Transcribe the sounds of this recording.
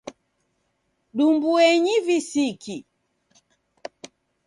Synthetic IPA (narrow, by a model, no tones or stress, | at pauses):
ɗumbuɛɲivisiki